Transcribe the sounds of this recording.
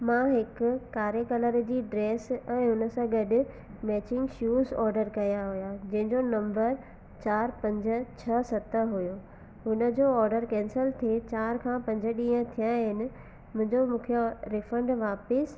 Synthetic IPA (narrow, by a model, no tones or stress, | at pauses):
mãɦɪkʊːaːɾekɐləɾd͡ʑiːɖɾeːsɛ̃ːɦʊnə̆sãɡɐɗʊ̆ | mɛːt͡ɕɪ̃ŋɡʃjuːzɔːɾɖəɾkɐjaɦʊjad͡ʑɐ̃ɦɪ̃ɲd͡ʑonɐ̃mbəɾ | t͡ɕaːɾpɐ̃ɲd͡ʑ̆t͡ɕʰɐsɐt̪əɦʊjo | ɦʊnə̆d͡ʑoɔːɾɖəɾkɛ̃ːnsəlt̪ʰiet͡ɕaːɾkʰãːpɐ̃ɲd͡ʑə̆ɗĩːə̃t̪ʰijãɦɪnɪ̆ | mʊ̃ɦɪ̃ɲd͡ʑomũːkʰjoɾɪfə̃ɳɖʋaːpɪs